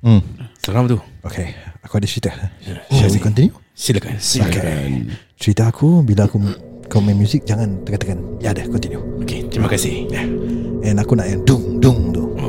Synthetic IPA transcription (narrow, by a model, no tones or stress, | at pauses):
səɾamt̪uokʰeakuadĩt͡ʃɹit̪aiasikɔnt̪inju | siləkaoke | t͡ʃɾit̪aakʰubilaːkukamɛ̃mjuzik̚d͡ʒaŋãnt̪əkat̪akanjadəkɔ̃nt̪injuoket̪ɾimakasihjaɛ̃nakunaʔjadʊŋdʊŋt̪u